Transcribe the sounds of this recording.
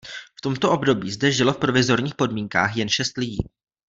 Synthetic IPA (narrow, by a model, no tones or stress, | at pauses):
ft̪o̞mt̪o̞ʔo̞bdo̞biːzdɛʒɪlo̞fpɾo̞vɪzo̞ɾɲiːxpo̞dmiːŋka̰ːxjɛnʃɛst̪lɪɟḭː